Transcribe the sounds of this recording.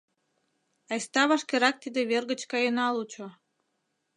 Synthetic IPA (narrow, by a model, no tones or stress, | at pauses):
ɑjst̪ɑβɑʃkeɾɑk̚t̪id̪eβerɣə̆t͡ɕkɑjenɑlut͡ɕo